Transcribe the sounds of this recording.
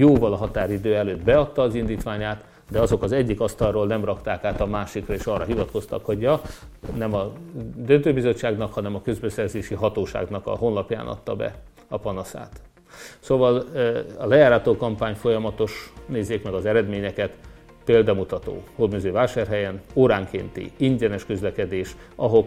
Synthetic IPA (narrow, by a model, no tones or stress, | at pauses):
joːvɒlɒɦɒt̪aːɾid̪øːɛløːd̪bɛɒt̪ːɒːzind̪iːt̪ʋaːɲaːt̪ | d̪ɛɒzo̞kɒzɛɟːikɒst̪ɒroːlnɛmrɒkt̪aːkaːt̪ɒmaːʃikrɒeːʃɒːrːɒɦivɒt̪kost̪ɒ̰kho̞ɟjɒnɛmɒd̪ønt̪øːbizo̞t͡ʃːaːɡnɒkhɒnɛmɒkø̞zbɛsɛrzeːʃiɦɒt̪oːʃa̰ːɡnɒkɒ̰ɦo̞nlɒpja̰ːnʔɒ̰t̪ːɒbɛ̰ | ɒpɒnɒsa̰ːt̪ | soːvɒlɒlɛjaːɾɒt̪oːkɒmpaːɲfo̞jɒmɒt̪o̞ʃneːzːeːkmɛɡɒzɛɾɛd̪meːɲɛkɛt̪ | peːld̪ɒmut̪ɒt̪o̰ːhod̪møzøːvaːʃaːrɦɛjɛnoːɾaːŋkḛːnt̪ḭiɲɟɛnɛʃkøzlɛkɛd̪eːʃ | ɒɦo̞k